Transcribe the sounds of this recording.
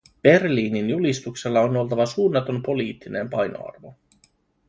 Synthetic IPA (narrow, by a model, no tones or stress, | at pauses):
b̥e̞rliːninjulist̪ukse̞lːɑono̞lt̪ɑʋɑsuːnːɑt̪o̞mpo̞liːt̪ːinḛmpɑjno̰ɑ̰rʋo̞